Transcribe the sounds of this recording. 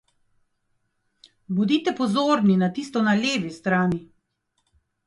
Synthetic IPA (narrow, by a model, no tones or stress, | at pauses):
bud̪iːt̪ɛpɔzoːɾninat̪iːst̪ɔnaleːʋist̪ɾaːni